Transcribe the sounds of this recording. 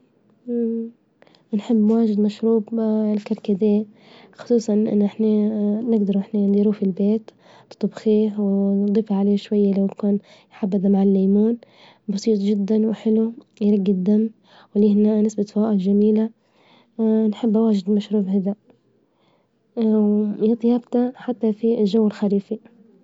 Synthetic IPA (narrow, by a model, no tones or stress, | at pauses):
nħɪbːwaːʒɪd̪maʃɾuːblkaɾˤkad̪eː | xʊ̥sˤuːsˤɑnʔɪ̰nːʔɪħnanɪɡd̪ɑɾˤʔɪħnand̪iɾuːfɪlbeːt̪ | t̪t̪ˤubxiːhwd̪ˤiːfaʕaleːʃwajːalawt̪kuːn | jħabːɪd̪amaʕalːajmuːn | bɑsˤiːt̪ˤʒɪd̪ːanwɪħɪlu | jɾˤɑɡːɪd̪ːamː | wliːhɪnaʔnɪsbat̪faːʔɪdʒamiːla | nħɪbːwaːʒɪd̪maʃɾuːbhɪd̪a | wjɑt̪ˤjɑːbt̪aħat̪ːafiʒawːɪlxaɾiːfi